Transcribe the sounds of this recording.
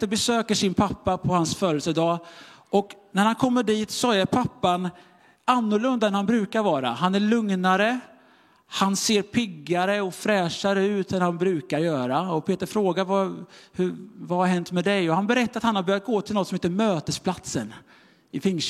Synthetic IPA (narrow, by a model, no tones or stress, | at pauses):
t̪əɾbɛsøːkəʂɪnpʰapːapʰɔhansfœːɾəlsəd̪ɑːɔknæɾhankʰɔmːəɖiːt̪sɔæɾpʰapːan | anːʊɭɵnd̪aɛnhanbɾʉ̟ːkaɾvɑːɾa̰ɦanæɭɵŋnaɾə | hanseːɾpʰɪɡːaɾəɔfɾɛːʂaɾəʉ̟ːt̪ɛnhanbɾʉ̟ːkaɾjœːɾaɔpʰeːt̪əɾfɾoːɡaɾvahɵvahaɾɦɛnt̪mɛd̪ɛjɔhanbɛɾɛt̪ːaɾat̪hanhaɾbœɾjat̪̚ɡoːt̪ʰɪlnɔt̪sɔmeːt̪əmøːt̪əspʰlat̪sən | ɪfɪŋː